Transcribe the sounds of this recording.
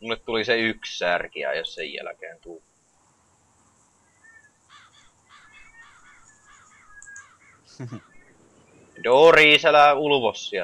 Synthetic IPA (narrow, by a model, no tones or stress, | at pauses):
mulːet̪t̪uliseykssærkiæ̰jossḛjjæ̰lækḛːnt̪ul | joːriːselæuluʋosːi